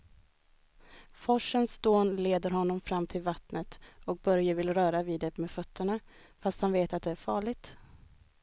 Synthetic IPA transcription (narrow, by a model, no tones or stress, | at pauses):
fɔʂənsd̪oːnleːd̪əɾɦɔnːɔmfɾamːt̪ʰɪlvat̪nət̪ɔk̚bœɾjəvɪlɾœːɾaviːd̪ɛmeːfœt̪ʰːəɳa | fast̪hanveːt̪at̪̚d̪ɛæɾfɑːɭɪɡ̚t̪